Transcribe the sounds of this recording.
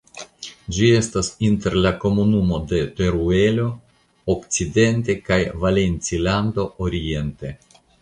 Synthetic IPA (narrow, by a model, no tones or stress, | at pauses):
d͡ʒie̞stasinte̞ɾlako̞munumo̞de̞te̞ɾue̞lo̞ | okt͡side̞nt̬e̞kajvale̞nt͡silando̞oɾie̞nte̞